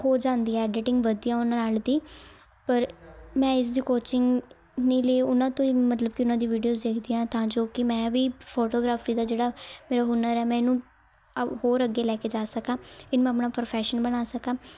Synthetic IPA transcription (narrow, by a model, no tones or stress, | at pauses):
hoːɾd͡ʒãːnd̪iːɛɛːɖɪʈɪ̃ŋɡʋəd̪ijãːʊnãːnaːld̪iː | pəɾmɛ̃ːɪs̬d̪iːkoːt͡ʃɪŋɡ | nĩːleːʊnãːt̪õːiːmət̪ləb̚kɪʊnãːd̪iːʋiːɖijoːzd̪eːkʰd̪iːãːt̪ãːd͡ʒoːkɪmɛ̃ːʋiːpʰoːʈoːɡɾaːfiːd̪aːd͡ʒeːɽaːmeːɾaːɦʊnəɾɛːmɛ̃ːɪnũː | hoːɾəɡeːlɛːkeːd͡ʒaːsəkãːɪnũːəpnaːpəɾpʰɛːʃənbənaːsəkãː